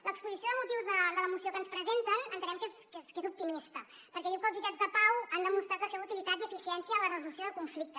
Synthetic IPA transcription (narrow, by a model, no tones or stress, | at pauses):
lʔəkspuzisijoðəmut̪iwzðəd̪ələmusiokənspɾəzent̪ənənt̪ənɛmkezkeskezup̚t̪imist̪ə | pəɾkɛðiwkəlˠzʒud͡ʒad͡zðəpawand̪əmust̪ɾat̪lˠsɛβəut̪ilit̪at̪iəfisiɛnsjələrəzulusjoðəkuɱflik̚t̪ə